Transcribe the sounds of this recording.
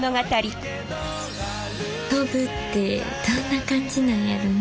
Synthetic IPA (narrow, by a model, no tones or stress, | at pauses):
noɡat̪aɾʲi | t̪obɯ̟t̪ːe̞ | d̪̥onːakãɲd͡ʑinãjaɾɯm